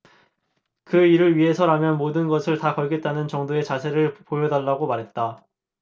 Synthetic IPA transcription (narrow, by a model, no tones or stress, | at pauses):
kɯiɾɯɭɥiɦe̞sʰʌɾamjʌnmodɯnɡʌsʰɯɭtakʌɭɡe̞t̚t͈anɯnt͡ɕʌŋdoe̞t͡ɕasʰe̞ɾɯɭpojʌdaɭːaɡomaɾɦe̞t̚t͈a